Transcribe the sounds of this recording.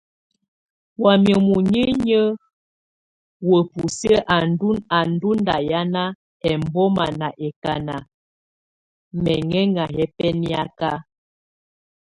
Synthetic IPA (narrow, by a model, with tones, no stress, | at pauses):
wa˨mjə˨mu˨ɲi˦ɲə˦ | wə˨pu˨sə˦ʔa˨ndu˦na˨n˦du˦n˦da˨ja˦na˦ | ɛ˨m˦bɔ˦ma˨na˨ʔɛ˨ka˨na˨ | mɛ˨ŋɛ˦ŋa˨ɦɛ˦pɛ˦ni˦a˦ka˦